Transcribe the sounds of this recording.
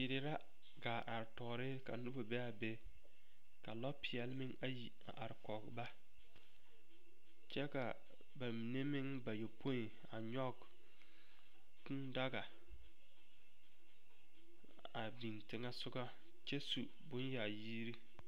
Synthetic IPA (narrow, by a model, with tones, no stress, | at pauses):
jɪ˨ɾɪ˨ɾa˦ | ɡaː˨ʔa˨ɾtɔː˨ɾɪ˦ka˨nʊ˦bo˨bɛ˦a˨be˦ | ka˨lɔ˦pɪ˨ɛ˨lɪ˦mɪ˦ŋa˦ji˨a̰˨ʔa˨ɾɪ˨kɔ˨ɡba˦ | t͡ʃɛ˦ka˨ | ba˨mi˨ne˦mɪ˦ŋba˨jo˨pʰo˦ĩ˨ | a˨ɲɔ˦ɡ | tʊ˦nda˦ɡa˨ | a˨bi˨ntɪ˨ŋa˦sʊ˦ɡa˦ | t͡ʃɛ˦su˨ | bʊ˦nja˨jiː˦ɾi˦